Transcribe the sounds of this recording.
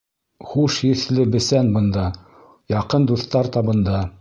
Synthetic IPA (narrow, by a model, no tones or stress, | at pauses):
χuʃjɘ̆θlɘbɘ̆sænbɤ̆nd̪ɑ | jɑqɤnd̪uθt̪ɑɾt̪ɑβɤ̆nd̪ɑ